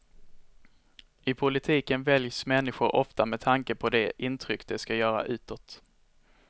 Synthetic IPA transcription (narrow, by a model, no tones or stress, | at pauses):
ɪpʰʊlɪt̪ʰiːkənvɛljsmɛnːɪɧʊɾʔɔft̪amɛt̪ʰaŋkəpʰɔd̪ɛʔɪnt̪ʰɾʏkːd̪ɛskajœːɾa̰ʔʉ̟ːt̪ɔt̪